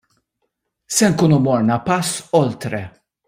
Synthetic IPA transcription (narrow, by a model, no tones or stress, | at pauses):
sɛŋkuːnumɔɾnɐpɐsːɔlt̪ɾɛ̰